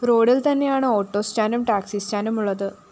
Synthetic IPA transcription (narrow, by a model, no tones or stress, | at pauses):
ɾo̞ːɖilt̪ɐnːe̞jaːɳɨoːʈːo̞ːstaːnumʈaːksist͡ɕaːnumuɭːɐðɨ